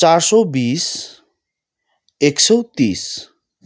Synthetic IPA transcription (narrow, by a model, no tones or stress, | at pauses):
t͡ɕaɾʃobis | ekʃowt̪is